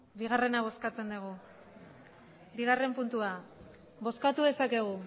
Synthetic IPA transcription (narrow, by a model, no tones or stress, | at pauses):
biɣ̞are̞naβ̞o̞skat͡se̞nd̪uɣ̞u | biɣare̞mpunt̪ua | bo̞skat̪uðe̞sake̞ɣ̞u